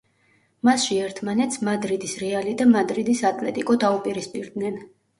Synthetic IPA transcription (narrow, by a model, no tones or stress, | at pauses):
masʃiɛɾt̪ʰmanɛt̪smad̪ɾid̪isɾɛalid̪amad̪ɾid̪isat̪ʼlɛt̪ʼikʼɔd̪aupʼiɾispʼiɾd̪nɛn